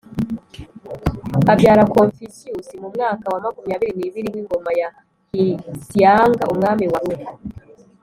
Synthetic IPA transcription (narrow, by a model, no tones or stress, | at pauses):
abɟaːɾakoɱfisiusimumŋaːkawamakumijaβiɾiniβiɾiwiŋɡo̞maja | hisijaːŋɡa̰ʔumŋaːmiwawei